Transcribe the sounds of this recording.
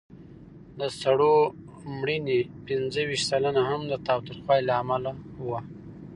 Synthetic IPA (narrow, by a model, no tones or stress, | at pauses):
d̪əsaɽo | mɽinepɪnzəwiʃt̪salanahamd̪ət̪ɑwt̪ɾixwɑjilaːmalawa